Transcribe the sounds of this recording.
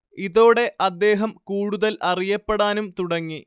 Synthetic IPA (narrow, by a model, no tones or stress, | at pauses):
iðo̞ːɽe̞ʔɐd̪ːe̞ːɦɐmkuːɽuðɐlʔɐrijɐpːeɽaːnumt̪uɽɐŋːi